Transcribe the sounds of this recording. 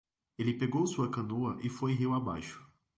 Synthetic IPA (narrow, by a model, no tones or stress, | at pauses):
elɪpeɡowsuɐkɐ̃noɐʔɪfojɦiwaba̰jʃʊ̥